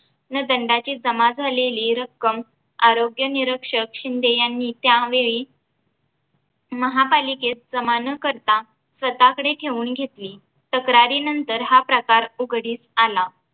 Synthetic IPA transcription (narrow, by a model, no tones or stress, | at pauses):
nəd̪əɳɖat͡ɕiːd͡zəmad͡zʱaleliːɾəkːəm | aɾoɡjəniɾəkʂəkɕind̪ejanːit̪jaʋeɭiː | məɦapaliket̪̚d͡zəmanəkəɾt̪a | sʋət̪akəɽeʈʰeʋuːnɡʱet̪liː | t̪əkɾaɾiːnənt̪əɾɦapɾəkaɾuɡʱɽiːsala